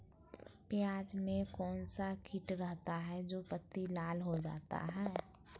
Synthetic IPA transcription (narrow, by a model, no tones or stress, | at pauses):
pɪjaːd͡ʒmẽkɔːnsakʰɪʈɾəɦt̪aɦɛd͡ʒoːpət̪ːilaːlɦod͡ʒa̰ːt̪a̰ɦɛː